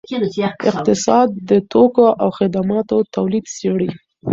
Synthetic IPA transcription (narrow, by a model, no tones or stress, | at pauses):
ɪqt̪ɪsɑd̪ːət̪okoʔawxɪd̪amɑt̪ot̪awlid̪seɽi